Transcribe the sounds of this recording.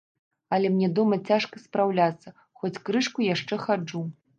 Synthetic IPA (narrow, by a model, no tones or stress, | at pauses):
ɐlʲɛmnʲɛd̪ɔmɐt͡sʲaʂkɐspɾawlʲat̪sːɐ | xɔt͡sʲkɾɨʂkujaʂt͡ʂɛxad͡ʐu